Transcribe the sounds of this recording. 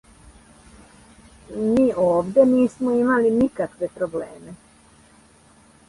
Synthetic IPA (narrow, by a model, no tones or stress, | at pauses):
miːʔoːʋd̪e̞niːsmoimalinikakʋe̞pɾobleːme